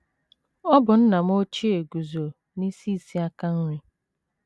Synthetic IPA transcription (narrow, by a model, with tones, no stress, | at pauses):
ɔ˦bʊ˨n̩˦na˨m˦o˦t͡ʃi˦e˨ɡu˨zo˨ | ni˦si˦˨si˦a˦ka˦n̩˦ɾɪ˦